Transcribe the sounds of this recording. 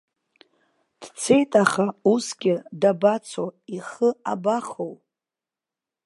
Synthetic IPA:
d̥t͡sʰe̞jtʼaχausɡʲɪdabat͡sʰoiχəabaχow

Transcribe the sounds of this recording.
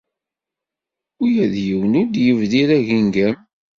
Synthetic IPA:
ujæðjəwənuɾd̪jəvðiɾæʝiŋɡæm

